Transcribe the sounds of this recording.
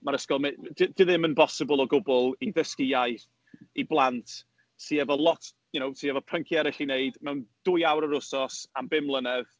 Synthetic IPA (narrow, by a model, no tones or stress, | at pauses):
maɾəskɔlˠmedɪd̥ɪðɪmənpɔsɪbəlˠɔɡʊbɔlˠiðəskijajθ | iblˠantʰ | siːɛvɔlˠɔt | jʊnowsiɛvɔpʰəŋkʰjɛɾɪɬineɨdmɛwnd̥ʊjawɾəɾʊsɔsambɪmlˠənɛð